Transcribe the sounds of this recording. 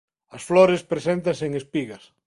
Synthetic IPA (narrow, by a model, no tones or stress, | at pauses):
ɐsflɔɾespɾesent̪̬ɐseŋespiɣɐs